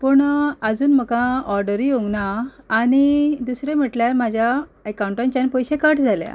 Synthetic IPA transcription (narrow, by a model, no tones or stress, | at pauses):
pəɳəd͡zuːnm̤əkãɔɾɖəɾioŋɡnaː | ɽ̃id̪usɾem̤əʈljaɾmad͡ʑʱjaəkawuɳʈãɲt͡ɕanpəjɕekəʈd͡zʱalja̰